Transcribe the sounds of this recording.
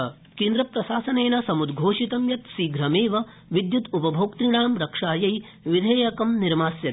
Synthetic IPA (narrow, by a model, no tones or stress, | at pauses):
kẽːnd̪ɾɐpɾɐʃaːsɐneːnɐsɐmud̪ɡʱoːʂit̪ɐmjɐt̪siːɡɾɐmeːʋɐ | ʋid̪jut̪upɐbʱoːkt̪ɾiɳaːmɾɐkʂaːjɐj | ʋid̪ʱɐːjɐkɐmniɾmaːsjɐt̪i̥